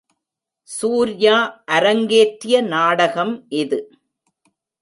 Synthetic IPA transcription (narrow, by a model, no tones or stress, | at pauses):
suːɾjaːʔɐɾɐŋɡeːʈɾɪjɐnaːɽɐɣɐmʔɪðɯ